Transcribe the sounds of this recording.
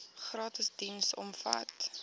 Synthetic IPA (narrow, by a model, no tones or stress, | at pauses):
χrɑːtəsdinsɔ̰mfɐ̰t